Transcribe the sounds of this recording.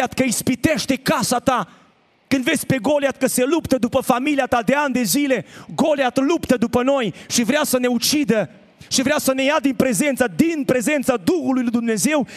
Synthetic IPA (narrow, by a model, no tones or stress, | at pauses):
at̪kəispit̪e̞ʃt̪e̞kasat̪a | kɨnd̪ve̞sʲpe̞ɡo̞leat̪̚kəse̞lupt̪əd̪upəfamiliat̪ad̪e̞and̪e̞zile̞ɡo̞leat̪lupt̪əd̪upəno̞jʃivɾeasəne̞ut͡ʃid̪ə | ʃivɾeasəne̞jad̪inpɾe̞ze̞nt̪səd̪inpɾe̞ze̞nt̪sad̪uxulujlujd̪umne̞ze̞w